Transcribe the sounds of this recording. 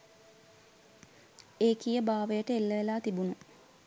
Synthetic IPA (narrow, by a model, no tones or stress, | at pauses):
eːkijəbaːʋəjəʈəelːəʋelaːt̪ibunu